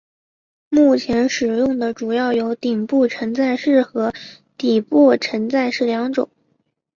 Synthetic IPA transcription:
mu˥˩t͡ɕʰjɛ˧˥nʂɻ̩˨˩jʊ˥˩ŋd̪ə˩ʈ͡ʂu˨˩jɑ˥˩ʊjo˧˥ʊt̪i˨˩ŋpu˥˩ʈ͡ʂʰə˧˥nt͡sa˥˧ɪʂɻ̩˥˩xɤ˧˥ | t̪i˨˩pɔ˥˩ʈ͡ʂʰə˧˥nt͡sa˥˧ɪʂɻ̩˥˩ljɑ˧˥ŋʈ͡ʂʊ̰˨˩˦ŋ

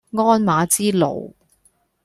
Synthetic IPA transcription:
ŋɔː˥nmaː˨˧˥t͡siː˥lo̰˨˩w

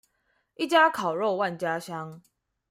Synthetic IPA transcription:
ʔi˦t͡ɕja˦kʰa˨˩ʊɻo˥˧wa˥˨nt͡ɕja˦ɕja˦ŋ

